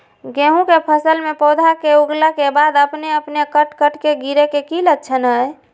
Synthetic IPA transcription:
ɡẽɦũkepʰəsəlmepɔd̪ʱakeuɡlakebad̪əpneəpnekəʈkəʈkeɡiɾekekiləd̪̚t͡ʃʰənɦəj

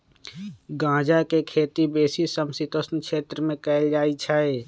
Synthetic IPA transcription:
ɡãːd͡ʒakekʰeːt̪ibeːsisəmsit̪osnkʃeːt̪ɾəmẽkɛɪld͡ʒaːit͡ʃʰae

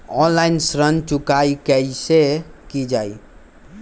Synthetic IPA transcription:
ɔnlajnsɾənt͡ʃukajkəjsekid͡ʒaj

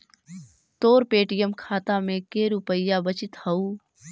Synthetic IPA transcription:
t̪oːɾpeːʈɪjəmkʰaːt̪amẽkeːɾʊpəɪjabət͡ʃɪt̪hɐuː

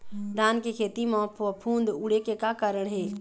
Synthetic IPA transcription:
d̪ʱaːnkekʰeːt̪imɔ̃pʰʋəpʰuːnd̪ʊɽekekakaɾəɽ̃ɦeː

